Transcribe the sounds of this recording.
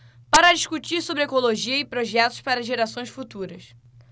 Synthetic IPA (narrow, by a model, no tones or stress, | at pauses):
paɾɐd͡ʒiʃkut͡ʃiɾsobɾɪekoloʒiɐɪpɾoʒɛt̪ʊ̥ʃpaɾɐʒeɾasõj̃sfut̪uɾɐs